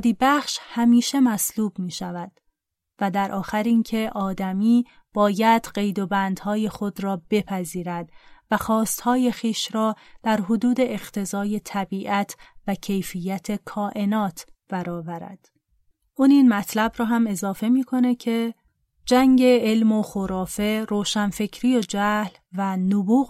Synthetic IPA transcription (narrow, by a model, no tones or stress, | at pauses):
d̪iːbæχʃhæmiːʃe̞mæsluːb̥miːʃævæd̪̥ | væd̪æɾʔɒːxæɾincʰe̞ʔɒːd̪æmiː | b̥ɒːjæd̪̥ɢe̞jd̪o̞bænd̪hɒːje̞xo̞d̪ɾɒːb̥e̞pʰæziːɾæd̪væxɒːst̪hɒːje̞xiːʃɾɒːd̪̥æɾɦod̪uːd̪e̞ʔeɢt̪ʰe̞zɒːje̞t̪ʰæbiːʔæt̪ʰvæcʰe̞jfijːæt̪ʰe̞kʰɒːʔe̞nɒːt̪ʰb̥æɾɒːvæɾæ̰d̪̥ | ʔuːniːnmæt̪ʰlæbɾɒːɦæme̞zɒːfe̞miːkʰo̞ne̞cʰe̞ | d͡ʒæŋɟe̞elmo̞xoɾɒːfe̞ɾoːʃænfe̞cʰɾiːjod͡ʒæhl | vænobuːɣ